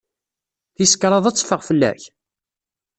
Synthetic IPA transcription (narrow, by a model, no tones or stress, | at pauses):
θiskɾˤɑðˤæt͡sːfəʁfəlːæ̰ç